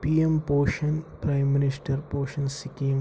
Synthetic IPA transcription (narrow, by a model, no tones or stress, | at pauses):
piːempoːʃɐnpɾaːɪmːɪnɪsʈəɾpoːʃɐnsɪkim